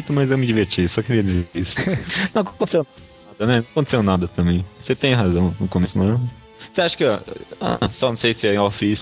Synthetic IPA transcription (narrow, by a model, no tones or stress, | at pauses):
t̪ʊmɐzewmɪd͡ʒiveɾt͡ʃisɔkɪɾiɐd͡ʒizeisʊ̥nɐ̃w̃ɐkõkõt̪esew | ad̪ɐnɛñwɐkõt̪e̥sewnad̪ɐt̪ɐ̃mẽj̃oset̪ẽj̃ɦazɐ̃w̃ʊ̃kõmesʊma | seaʃɐ̥kɪaa̰sɔnɐ̃w̃sejsɪɛɔfiis